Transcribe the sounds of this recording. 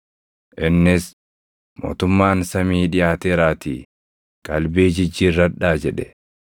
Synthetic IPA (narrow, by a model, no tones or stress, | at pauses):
ʔɪnːɪs | mo̰ːt̪ʊmːaːnsɐmiːᶑɪjaːt̪eːɾaːt̪ḭː | kʼɐlbeːd͡ʒɪd͡ʒːiːrːɐᶑaːd͡ʒɛᶑɛ